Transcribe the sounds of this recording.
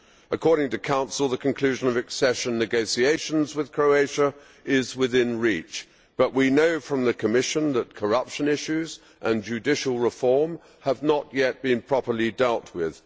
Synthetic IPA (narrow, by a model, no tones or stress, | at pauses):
əkʰɔɹɾɪ̃ŋtɨkʰãʊ̃nsl̩ˠðəkʰɨ̃n̩kʰl̥ʉʒɨ̃nʌvɨksɛʃɨ̃nːɨɡoʊsieɪʃɨ̃nzwɨð̥kʰɹ̥oʊeɪʃə | ɪzwɪðɪ̃nɹit͡ʃ | b̥ʌʔwinoʊfɹʌ̃mðɨkʰɨmɪʃə̃nðət̚kʰə˞ʌpʃɨ̃nɪʃʉz | ʔə̃nd͡ʒʉdɪʃl̩ˠɹəfɔɹm | əvnəʔjɛt̚b̥ɨ̃npʰɹ̥ɑpə˞lˠidɛlˠt̚wɪð̥